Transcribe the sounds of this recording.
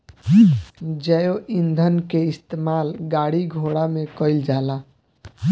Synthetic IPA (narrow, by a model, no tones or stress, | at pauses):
d͡ʒəjoʔind̪ʱənkeɪst̪emaːlɡaɽiɡʱoɽamẽkəɪld͡ʒaːla